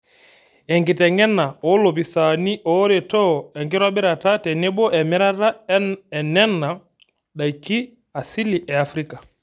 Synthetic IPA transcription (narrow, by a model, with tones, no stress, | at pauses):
ɛ˨ŋɡi˨tɛ˨ŋɡɛ˦na˨ɔ˨˦lɔ˨pi˨sa˨ni˦ʔɔ˨˦ɾɛ˨tɔ˦˨ɛ˨ŋɡi˦ɾwa˦bɛ˦ɾa˨ta˦tɛ˨nɛ˦bɔ˦ʔɛ˨mɛ˦ɾa˦ta˦ɛ˨nɛ˦na˨ | ɗa˨i˨ki˦ | a˨si˦li˨ʔɛ˨a˨fɾi˦ka˨